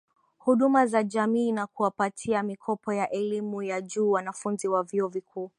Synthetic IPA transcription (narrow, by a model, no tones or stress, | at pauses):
huɗumazaʄamiːnakuwapatʰiamikʰɔpɔjaʔɛlimujaʄuːwanafunziwavjiɔvikʰuː